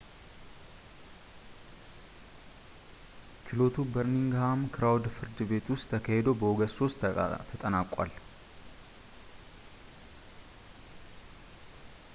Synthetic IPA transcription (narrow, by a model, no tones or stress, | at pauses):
t͡ʃɪlo̞t̪ubəɾniŋɡhamkʰɨɾawd̪fɨɾd̪ɨbe̞t̪ʰʊst̪ʰːəkʰahɛd̪o̞bəwɔɡəso̞st̪t̪ʰət̪ʼənaːkʼːa̰l